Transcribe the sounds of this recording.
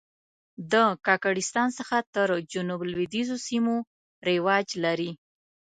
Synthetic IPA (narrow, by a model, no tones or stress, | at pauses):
d̪əkɑkaɽɪst̪ɑnsəxat̪əɾd͡ʒʊnublwid̪izosimo | ɾewɑd͡ʒlaɾi